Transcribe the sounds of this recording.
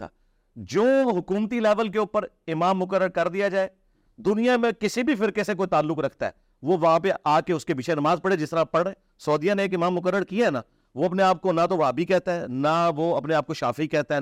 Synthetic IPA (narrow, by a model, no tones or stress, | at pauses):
a̰ː | d͡ʒoːɦʊkuːmt̪ilɛːʋəlk̬eʊpəɾɪmaːmːʊkəɾːəɾkɐɾd̪ijad͡ʒaːe | d̪ʊnijãmẽkɪsibʱifɪɾkesek̬oːit̪aːlːʊkɾɐkʰt̪a̰ɦɛ̰ː | ʋoʋɐɦãpeʔaːkeʊskebɪt͡ʃʰenɐmaːzpɐɽed͡ʒɪst̪əɾapɐɽẽː | sɔːd̪ijãneːk̬ɪmaːmːʊk̬əɾːəɾkiaɦɛna̰ | ʋoɐpneaːp̚konat̪oʋaːbikɛɦt̪aɦɛːnaʋoːɐpneaːp̚koʃaːfikɛːt̪aɦɛ